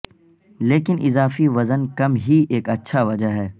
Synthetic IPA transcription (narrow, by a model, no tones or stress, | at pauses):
leːkɪnʔɪzaːfiʋɐzənkɐmɦieːkɐtːʃʰaʋɐd͡ʒaɦɛː